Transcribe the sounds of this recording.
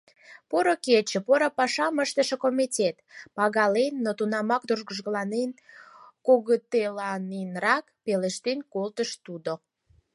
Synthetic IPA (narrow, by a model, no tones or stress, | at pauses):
poɾoket͡ɕə̆poɾopɑʃɑməʃt̪əʃĕkomitʲet̪pɑɣɑlenːot̪unɑmɑk̚d̪uʒɣəʒɣəlɑnenkoɣət̪elɑnenrɑkpeleʃt̪enkolt̪əʃt̪ud̪o